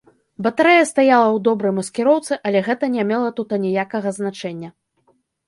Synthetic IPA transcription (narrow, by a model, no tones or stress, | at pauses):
bɐt̪aɾɛjɐst̪ajalˠɐwd̪ɔbɾɐjmɐskʲɛɾɔwt̪sɨʔɐlʲɛɣɛt̪ɐnʲɛmʲɛlˠɐt̪ut̪ɐnʲijakɐɣɐznat͡ʂɛnʲːɐ